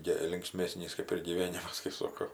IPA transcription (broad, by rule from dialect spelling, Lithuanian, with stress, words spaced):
ˈɡʲɪ lʲɪŋkˈsʲmʲeːsʲnʲiːs kɐɪp ɪr ɡʲiːˈʋʲeːnʲɪmɐs kɐɪ ˈsoːkoː